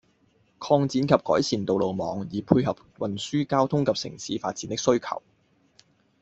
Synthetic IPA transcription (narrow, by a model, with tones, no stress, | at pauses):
kʰɔː˧ŋt͡siː˨˥nkʰɐ˨p̚kɔː˨˥jsʰiː˨˩nt̪o˨wlo˨wmɔ̰ː˨˧˥ŋjiː˨˩pʰuː˧jhɐ˨p̚wɐ˨nsyː˥kaː˥wt̪ʰʊ˥ŋkʰɐ˨p̚sɪ̰˨˩ŋsiː˨˥faː˧t̚t͡siː˨˥nt̪ɪ˥ksɵ˥ɥkʰɐ̰˨˩w